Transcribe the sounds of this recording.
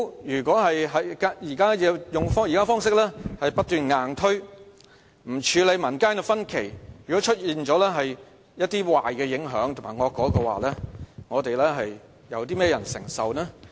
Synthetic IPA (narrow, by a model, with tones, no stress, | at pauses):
jyː˨˩kʷɔː˨˥ɦɐ˨jɦɐ˨jka˥jiː˨˩kaː˥jɛː˨˧jʊ˨ŋfɔː˥jiː˨˩kaː˥fɔː˥ŋsɪ˥k̚lɛː˥hɐ˨jpɐ˥t̚t̪yː˨nŋaː˨nt̪ʰɵ˥ɥ | m̩˨˩t͡ʃʰyː˨˧le˨˧jmɐ˨˩nkaː˥nɛ˧fɐ˥nkʰe˨˩jjyː˨˩kɔː˨˥t͡ʃʰɵ˥t̚jiː˨nt͡ʃɔː˨˥lɛː˥ɦɐ˨j | jɐ˥t̚t̪iː˥waː˨jkɛː˧jɪ˨˥ŋɦœː˨˥ŋt̪ʰʊ˨˩ŋmaː˨˩ŋɔː˨˧kɔː˨˥kɔ˧wa̰ː˨lɛː˥ŋɔː˨˧t̪e˨jlɛː˥ɦɐ˨j | jɐ˨˧wt̪̬iː˥mɛː˥jɐ˨˩nsɪ˨˩ŋsɐ˨wnɛː˥